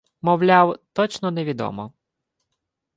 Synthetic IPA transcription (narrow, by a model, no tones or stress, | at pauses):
mɔwlʲawt̪ɔt͡ʃnɔnɛʋʲid̪ɔ̰mɔ